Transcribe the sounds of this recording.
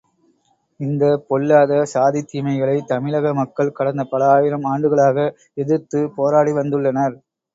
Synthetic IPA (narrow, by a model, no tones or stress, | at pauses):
ɪnd̪ɐpɔlːaːðɐsaːðit̪ːiːmɐɪɣɐɭɐɪt̪ɐmɪɭɐɣɐmɐkːɐɭkɐɽɐnd̪ɐpɐlɐaːjɪɾɐmaːɳɖɯɣɐɭaːɣɐ | ɛðɯɾt̪ːɯpoːɾaːɽiʋɐnd̪ɯɭːɐnɐɾ